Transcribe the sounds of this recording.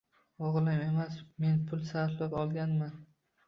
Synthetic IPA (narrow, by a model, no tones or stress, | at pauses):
ɒʁlˠɪme̞masme̞npʰʊlˠsaɾflapɒlˠɡʲanman